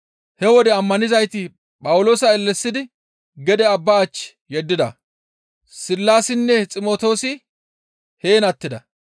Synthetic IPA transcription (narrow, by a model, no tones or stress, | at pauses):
hɛwɔd̪ɛɐmːɐnɪzɐjt̪ɪ | pʼɐwʊlo̞ːsɐɛlːɛsːɪd̪ɪ | ɡɛd̪ɛɐbːɐːt͡ʃː | jɛd̪ːɪd̪ɐ | sɪlːaːsɪnːɛt͡sʼɪmo̞ːt̪o̞ːsɪ | heːnɐt̪ːɪd̪ɐ